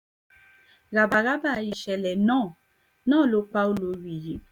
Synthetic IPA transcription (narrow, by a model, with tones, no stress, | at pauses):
ɾa˨ba˨ɾa˦ba˦˨ji˨ʃɛ˨lɛ˨nɔ̃ː˦˨ | nɔ̃ː˦˨lo˨˦k͡pa˦o˦lo˨˦wi˨ji˨˦